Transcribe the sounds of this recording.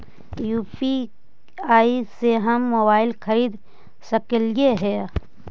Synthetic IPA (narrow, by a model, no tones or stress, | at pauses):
juːpi | aːiseɦəmːoːbaːɪlkʰɐɾiːd̪ | səkəljeɦɛː